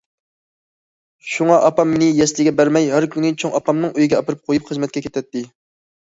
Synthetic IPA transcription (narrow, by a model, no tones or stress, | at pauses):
ʃuŋɑʔɑpɑmːɪnɪjɛslɪɡʲɛbæɾmɛjɦæɾkʲynɪt͡ʃʰoŋɑpɑmnɨŋøjiɡʲɛɑpɨɾɨp̚qʰojupχəzmɛt̪̚kʲɛkʲet̪ʰɛt̪ʰːɪ